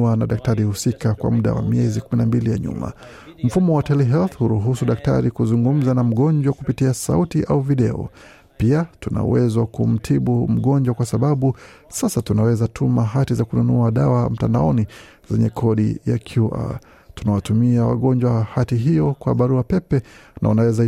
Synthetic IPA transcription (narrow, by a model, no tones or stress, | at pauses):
anaɗak̚taɾihusikakwa̰muɗa̰wa̰miɛzikuminambilija̰ɲṵma̰ | m̩fumɔwatɛliɦɛlθhuɾuɦusuɗak̚ta̰ɾikuzuŋɡum̩zanam̩ɠɔnd͡ʒwakupitiasa̰utiʔauviɗɛɔ̰ | piatuna̰wɛzwakum̩tʰiɓum̩ɠɔnd͡ʒwakwasaɓaɓusasatunawɛzatʰumaɦatizakununuaɗawam̩tandaɔni | zɛɲɛkʰɔɗija̰kʰjuʔa̰ | tunawatumiawa̰ɠɔnd͡ʒwahatiɦijɔkwa̰ɓaɾuapɛpɛnʔa̰unawɛza